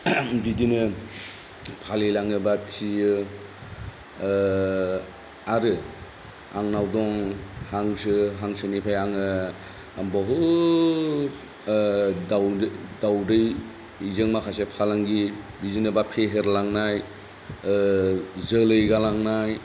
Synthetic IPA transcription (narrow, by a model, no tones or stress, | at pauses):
bidinɯ | pʰalilaŋɯbatʰijɯ | aɾɯ | aŋnawdɔŋhaŋsɯɦaŋsɯnipʰajaŋɯ | bɔɦɯ | dawdawdɯjː | zɯŋmakʰasepʰalaŋɡi | bidinɯbapʰeɦeɾlaŋnaj | zɯlɯjɡalaŋnaj